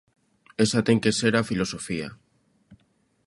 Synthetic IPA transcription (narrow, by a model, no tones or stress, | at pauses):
esat̪eŋkeseɾafilosofia̰